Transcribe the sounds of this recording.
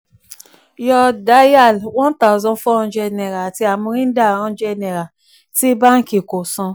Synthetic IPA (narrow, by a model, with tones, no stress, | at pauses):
jɔ˧da˦ja˦˨lwɔ̃˦n˦ta˦˨zɔ̃˧˦fɔ˦ɔ̃˧˦d͡ʒɛ˧nɛ˨ɾa˨a˨ti˧a˨mũ˧ɾĩ˦da˦˨ɾɔ̃˧˦d͡ʒɛ˧nɛ˨ɾa˨ | ti˦ba˦ŋ̩˦ki˨ko˨sɔ̃˧